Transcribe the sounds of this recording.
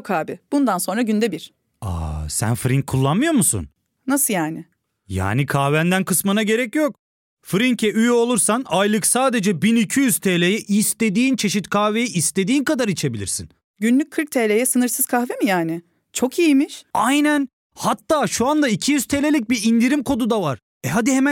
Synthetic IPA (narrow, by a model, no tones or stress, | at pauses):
kʰaːbɪb̥und̪anso̞nɾaɟynd̪ɛbiɾ̥ | a̰sæ̰nfɾiŋcʰːulˠːanmɯjo̞ɾmusṵn | nasɯjaːnɪ | ja̰ːnikʰaːvænd̪ænkʰɯsmɯnaɟe̞ɾɛcjok | fɾiŋcʰɛyjo̞lˠuɾsanajlˠɯksaːd̪e̞d͡ʒɛbinicʰijyz̥t̪ʰeːlʲejɛʔist̪e̞d̪iːnt͡ʃʰe̞ʃit̪kʰaːve̞jɛʔist̪e̞d̪iːnkʰad̪aɾit͡ʃʰe̞bilʲḭɾsḭn | ɟynlʲyc̚kʰɯɾ̚t̪ʰelʲejɛsɯnɯɾsɯz̥kʰahvemijaːnɪ | t͡ʃʰo̞kijimiʃajnæn | hat̪ʰːaːʃuand̪aicʰijyz̥t̪ʰelʲelʲic̚biɾind̪iɾimkʰo̞d̪ud̪avaɾ̥ | ɛɦad̪ihemæ